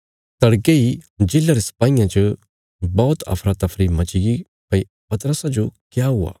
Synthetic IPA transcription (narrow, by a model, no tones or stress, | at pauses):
t̪ɐɽkeid͡ʒɪlːaɾisɐ̥paːijãt͡ʃɐ | bɔːt̪ɐ̰fʰɾat̪ːɐfʰɾimɐt͡ʃɪɡi | pɐi | pɐt̪ɾəsãd͡ʒokjaɦʊa̰ː